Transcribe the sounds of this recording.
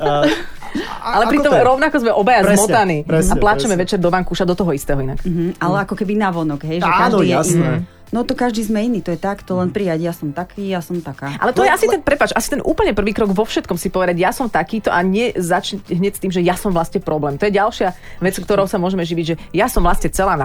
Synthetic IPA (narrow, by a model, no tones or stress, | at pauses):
alɛpɾit̪ɔmɾɔʊnakɔzmɛʔɔbajazɛmɔt̪aniɾɛsaplat͡ʃɛmɛʋɛt͡ʃɛɾd̪ɔʋaŋkuːʃad̪ɔt̪ɔɦɔist̪ɛːɦɔina̰k̩ɦ̩alɛakɔkɛbinaʋɔnɔɡɦɛjʒɛkadiːjɛasɛ | nɔt̪ɔkaʒd̪iːzmɛiniːt̪ɔjɛt̪akt̪ɔlɛnpɾiaɟjasɔmt̪akʰiːjasɔmt̪akaːʔa̰lɛt̪ɔjɛasit̪ɛnpɾɛpaːt͡ʃasit̪ɛnʔuːpl̩ɲɛpr̩ʋiːkɾɔɡʋɔfʃɛt̪kɔmsipɔʋɛd̪aɟjasɔmt̪akiːt̪ɔʔaɲɛzat͡ʃɲacɦɲɛcst̪iːmʒɛjasɔmʋlast̪ɲɛpɾɔblɛːmt̪ɔjɛɟalʃɪa | ʋɛt͡sk̚t̪ɔɾɔʊsamʊɔʒɛmɛʒiʋiɟʒɛjasɔmʋlasɲɛt͡sɛlaːna